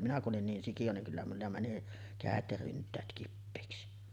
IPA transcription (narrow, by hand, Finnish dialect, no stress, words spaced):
minæ kuʔ ʔolin niːn sikij̆o niŋ kylːæ mulːɑ mæni kæˑet jɑ ryntˑæːt kipːeˑiksi